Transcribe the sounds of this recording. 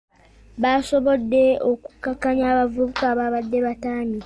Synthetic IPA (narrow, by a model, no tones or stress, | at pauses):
βaso̞βo̞dːe̞oku̥kːakːaɲaːβavuβukaːβaβadːe̞βataːmi